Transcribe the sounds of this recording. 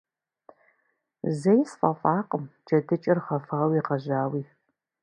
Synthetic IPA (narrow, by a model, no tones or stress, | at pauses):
zɐjsfʼɐfʼɑːqʼəmd͡ʒɐdɨt͡ʃʼɪrχɐfaːwiːqɐʒaːwiː